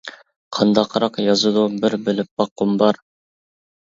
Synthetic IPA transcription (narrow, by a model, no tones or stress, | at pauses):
qʰɑnd̪ɑqʰɾɑqjɑzud̪ubɪɾbɪlɪp̚bɑqːʊmbɑɾ